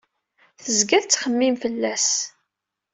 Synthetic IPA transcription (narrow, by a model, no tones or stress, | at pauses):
θəzɡæðt͡sːχəmːimfəlːæs